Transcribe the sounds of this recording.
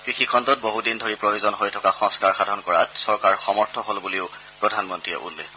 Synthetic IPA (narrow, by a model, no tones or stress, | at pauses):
kɹixikʰɔntɔt̚boɦudindʱoɹipɹojuzɔnɦojtʰɔkaxɔ̃ŋskaɹxadʱɔnkɔɹa̰tsɔɹkaɹxɔmɔɹtʰɔɦolbuliʊ | pɹɔdʱanmɔntɹiɛ̰ʔṵlːexkɔ